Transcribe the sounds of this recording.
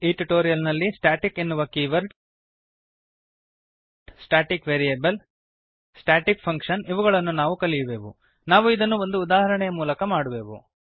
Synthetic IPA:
eʈiʈoːɾijɐlnɐlːisʈaːʈikenːuʋɐkiːʋɐɾɖ | ɖsʈaːʈikʋeːɾijeːbɐl | sʈaːʈikpʰɐŋkʂɐniʋɐɣɐɭɐnːunaːʋukɐlijɐbe̞ːʋṵ | naːʋuid̪ɐnːuo̞nd̪uːd̪aːɦɐɾɐɳɛjɐmuːlɐkɐmaːɽube̞ːʋṵ

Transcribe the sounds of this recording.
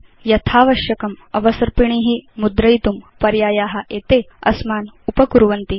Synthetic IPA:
jɐt̪ʰaːʋɐʃjɐkɐmɐʋɐsɐɾpiɳ̃iɦimud̪ɾɐjt̪umpɐɾjaːjaːɦɐ̆ʔeːt̪eːɐ̰smaːnupɐkuɾʋɐnt̪i

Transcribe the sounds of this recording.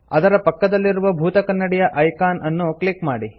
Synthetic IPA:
ɐd̪ɐɾɐpɐkːɐd̪ɐlːiɾuʋɐbʱuːt̪ɐkɐnːɐɽijɐʔɐjkaːnʔɐnːuklikmaːɽi

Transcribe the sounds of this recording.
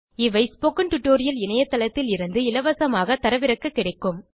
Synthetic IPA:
ɪʋɐɪspoːkːɐɳʈʊʈːoːɾɪjɐlɪnɐjɐt̪ːɐlɐt̪ːɪlɪɾɯnd̪ɯɪlɐʋɐsɐmaːɣɐt̪ːɐɾɐʋɪɾɐkːɯkːɪɽɐɪkːɯm

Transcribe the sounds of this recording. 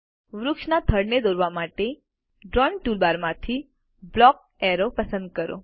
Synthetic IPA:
ʋɾʊkʃnat̪ʰəɽned̪oɾʋamaʈe | ɖɾɔnʈulbaɾmãt̪ʰi | blɔk̚ | ɛɾopəsə̃nd̪̚kəɾo̰

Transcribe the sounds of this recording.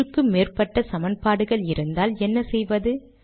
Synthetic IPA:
ɯkːɯmeːrpɐʈːɐsɐmɐnpaːɽɯɣɐɭɪɾɯnd̪aːlɛnːɐsɛjʋɐðɯ

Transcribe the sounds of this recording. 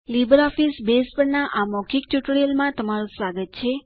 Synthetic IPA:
libəɾɔfisbespəɳnaʔamɔkʰikt͡ʃuʈɭiəlmãt̪əmaɾũsʋaɡət̪̚t͡ʃʰe

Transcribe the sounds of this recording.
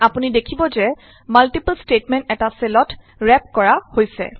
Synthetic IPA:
apunidekʰibɔzɛ | maltipəlstetmɛntɛtaselɔt | ɹɛp̚kɔɹahojsɛ̰

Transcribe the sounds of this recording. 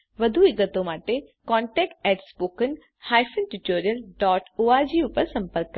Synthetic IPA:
ʋɐd̪ʱuɪɡət̪õmaːʈekɔːɳʈɛːk̚ʈɛːʈspoːkən | haːjfənʈuʈoːɾijəlɖɔːʈʰoːad͡ʑiːʊpəɾsɐ̃mpəɾk

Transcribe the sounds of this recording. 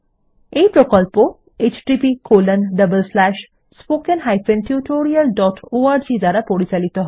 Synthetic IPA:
eipɾokɔlpo | et͡ɕɖipikolənɖəbəlslæʃ | spoːkənɦajfenʈʰjuʈoɾijəlɖɔʈʰoaɾd͡ʑid̪aɾapoɽit͡ʃalit̪ɔɦɔ

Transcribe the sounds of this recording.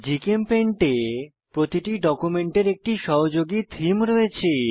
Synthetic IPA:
d͡ʑikempeɳʈe | pɾot̪iʈiɖɔkumeɳʈeɾek̚ʈiʃɔɦod͡ʑoɡit̪ʰimɾɔet͡ɕʰe

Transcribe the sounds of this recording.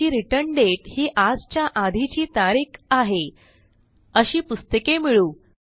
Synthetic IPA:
iːɾiʈəɾɳɖeʈhiːʔad͡zt͡ɕjaʔad̪ʱit͡ɕiːt̪aɾiːkaɦe | əɕiːpust̪əkemiɭuː

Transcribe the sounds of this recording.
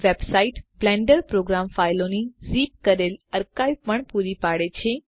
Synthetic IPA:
ʋebsaiʈblɛ̃ɳɖəɾpɾoɡɾamfailonizip̚kəɾeləɾkajpəɳpuɾipaɽet͡ʃʰe

